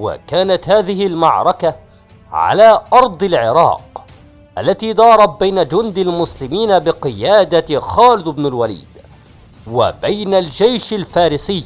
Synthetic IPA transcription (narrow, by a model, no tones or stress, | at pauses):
wa̰kaːnat̪haːðɪɦɪlmaʕɾˤɑka | ʕa̰laːʔɑɾˤd̪ˤɪlʕɪɾˤɑ̰ːq | ʔa̰lːat̪iːd̪ˤɑːɾˤɑt̪̚bajnad͡ʒʊnd̪almʊslɪmiːnabɪqɨjaːd̪axɑːlɪd̪ɪbnalwalḭːd̪ | wa̰bajnald͡ʒajʃalfaːɾɪsɪjː